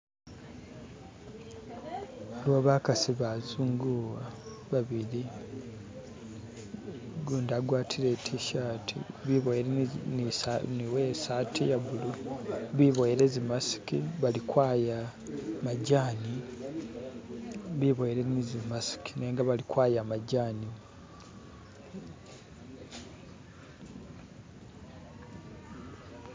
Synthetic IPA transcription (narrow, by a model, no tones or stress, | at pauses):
alwaβaːkasiβazuːŋɡuwaβaβiɾi | ɡuːndaɡwaːtʰiɾe̞tʰiʃatʰḭβiβojeɾeniniwesaːtʰijaβuluβiβojeɾe̞zimasi̥kiβalikwaːja | maɟaːni | βiβojeɾenizimasi̥kineːŋɡaβalikwaːjamaɟaːni